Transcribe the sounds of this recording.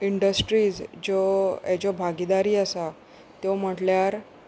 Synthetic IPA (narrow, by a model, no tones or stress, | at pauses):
iɳɖəsʈɾiːd͡zd͡ʑɔjat͡ɕɔbʱaɡid̪aɾiːəsa | t̪jɔm̤əʈljaɾ